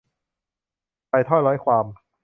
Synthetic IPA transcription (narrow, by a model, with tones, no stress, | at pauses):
pa˧jt̪ʰɔ˥˩jlɔ˦˥jkʰwaː˧m